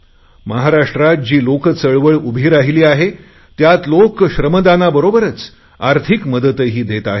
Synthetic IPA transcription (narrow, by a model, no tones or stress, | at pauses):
məɦaɾaʂʈɾat̪̚d͡ʑiːlokət͡səɭʋəɭubʱiːɾaɦiliːaɦe | t̪jat̪lokɕɾəməd̪anabəɾobəɾət͡s | aɾt̪ʰikməd̪ət̪əɦiːd̪et̪aɦe